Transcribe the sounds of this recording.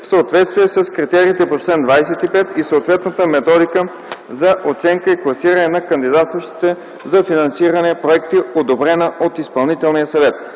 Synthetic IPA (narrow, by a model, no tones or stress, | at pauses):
fsəot̪vɛt̪st̪viɛsɐskɾit̪ɛɾiːt̪ɛpot͡ʃlɛnd̪vajsɛt̪ipɛt̪isəot̪vɛt̪nət̪əmɛt̪ɔd̪ikə | zɐʔot̪sɛŋkəiklˠɐsiɾɐnɛnɐkɐnd̪id̪at̪st̪vɐʃt̪i̥t̪ɛ | zɐfinɐnsiɾɐnɛpɾoɛkt̪iod̪obɾɛnəot̪ispɐlˠnit̪ɛlˠnijəsɐvɛt̪